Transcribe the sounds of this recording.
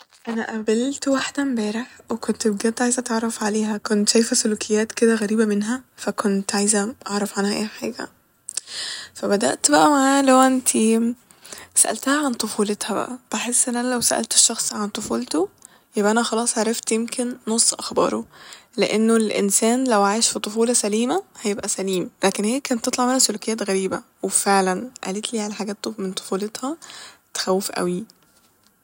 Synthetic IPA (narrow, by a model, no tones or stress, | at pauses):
ʔænæʔæbelt̪waħd̪æmbæːɾeħwekont̪ebɡæt̪ʕajzæt̪ɑʕɾˤɑfʕaleːɦækont̪ʃæjfæsolukʰejːæːt̪ked̪æɣæɾiːbæmenɦæfækont̪ʕajzæʔɑʕɾˤɑfʕanhæʔeːħaːɡæ̰ | fæbæd̪æ̰ʔt̪bæʔæmaʕaːlæwʔent̪ʰi | sæʔæ̰lt̪æhæʕant̪ˤofuːlet̪hæbæ̰ʔæb̥eħesːʔenːʔænælæwsæ̰ʔæ̰lt̪e̥ʃːɑxsˤʕant̪ˤofuːlt̪o | jebʔæʔænæxɑlɑːsˤʕɑɾˤɑft̪jemkʰenːosˤːʔɑxbɑ̰ːɾˤoleʔenːolʔḛnsæːnlæwʕaːjeʃfit̪ˤofuːlɑsæliːmæhæjebʔæsæliːmlæːkenheːkænt̪ːet̪ˤlɑʕmenæsolokejæːt̪ɣæɾiːbæwefeʕlænʔæ̰let̪liːʕalæħaɡæːt̪ːoment̪ˤo̥fuːlet̪hɑt̪e̥xæwːefʔæ̰wi